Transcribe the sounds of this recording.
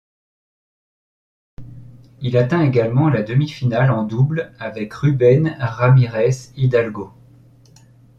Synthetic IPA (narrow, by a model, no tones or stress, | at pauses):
ilat̪ɛ̃eɡalmɑ̃lad̪əmifinalɑ̃d̪ublavɛkʁybɛnʁamiʁɛsid̪alɡo